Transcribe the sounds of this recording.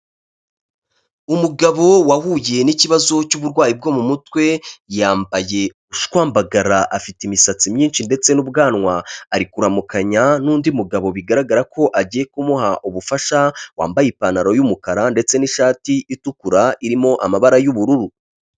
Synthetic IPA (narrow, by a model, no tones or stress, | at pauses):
umuɡaβo̞wahuje̞niciβazo̞cuβuɾɡwaːjib̚ɡo̞mumutwe̞jaːmbaje̞ | uʃkwaːmbaɡaɾaʔafitimisat͡simɲiːnʃinde̞t͡se̞nub̚ɡaːnŋwaːɾikuɾamukaɲanuːndiumuɡaβo̞βiɡaɾaɡaɾako̞ʔaɟije̞kumuhaʔuβufaʃawa̰ːmbajipanaɾo̞jumukaɾande̞t͡se̞niʃaːtiʔitukuɾaiɾimo̞ʔamaβaɾajuβuɾuɾu